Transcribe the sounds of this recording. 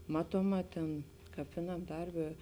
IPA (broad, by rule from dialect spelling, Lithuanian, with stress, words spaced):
ˈmɑːtuɔˌmɑː tʲeːn kɐp ˈʋʲɪˌnɐm ˈdɐrʲˌbʲeː